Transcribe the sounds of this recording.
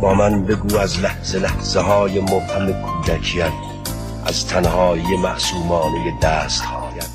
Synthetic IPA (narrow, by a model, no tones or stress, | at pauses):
bɒːmænbe̞ɡuːæzlæhz̥elæhz̥eɦɒːjemohhamekʰuːd̪ækʰijæn | ʔæzt̪ʰænhɒːijemæʔsuːmɒːnejed̪æːst̪hɒːjæn